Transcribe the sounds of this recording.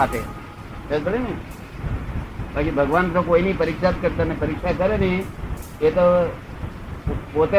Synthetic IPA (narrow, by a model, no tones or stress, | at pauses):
aʈ̪ḛ | sekəɽenii | bakibʱəɡʋant̪okoinipəɾɪkʃat̪̚kəɾt̪əmepəɾɪkʃakəɾeni | et̪o | pot̪e